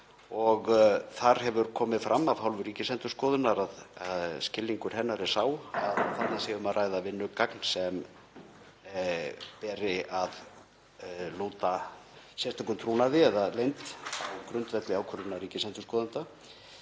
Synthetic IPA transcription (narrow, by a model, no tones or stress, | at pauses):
ɔɣθaɾ̥ɦɛvʏɾkʰɔːmɪðfɾʔamːavhawlvʏɾiːcɪsɛnt̪ʏ̥ɾskɔːðʏnaɾaðaðscɪlːiŋkʏɾ̥hɛnːaɾɛ̥saːwaðθat̪nasɛvʏmaðrʔaːjðavɪnːʏkaknsɛm | pɛːɾɪað | luːt̪asjɛst̪akʏmt̪ʰɾuːnaðɪɛðalejnt̪awkɾʏnt̪vɛt̪lɪaːwkʰœɾʏnaɾiːcɪsɛnt̪ʏskɔːðʏnt̪a